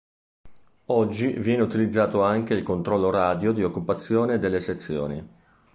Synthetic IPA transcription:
ɔd͡ʒːivjɛːneut̪ilid̪zːaːt̪oaŋk̟eilkont̪ɾɔlːoɾaːd̪jod̪iokːupat̪sːjoːned̪elːeset̪sːjo̰ːni

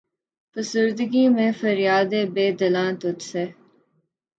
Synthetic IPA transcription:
fəsʊɾd̪əɡiːmẽfəɾɪjaːd̪eːbeːd̪əlãːt̪ʊt̪seː

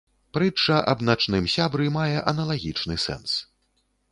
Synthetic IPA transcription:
pɾɨt͡ʂːɐʔɐ̰bnat͡ʂnɨmsʲabɾɨmajɛʔɐnɐlˠaɣʲit͡ʂnɨsɛ̰ns

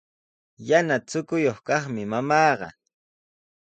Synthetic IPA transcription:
janat͡sʊkʊjoχkɑχmɪmamɑːɢɑ̰

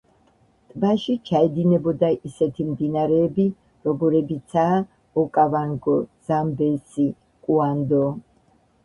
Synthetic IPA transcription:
t̪ʼbaʃit͡ʃʰaɛd̪inɛbɔd̪aʔisɛt̪ʰimd̪inaɾɛːbi | ɾɔɡɔɾɛbit̪sʰaː | ɔkʼavaŋɡɔz̥ambɛsi | kʼuand̪ɔ

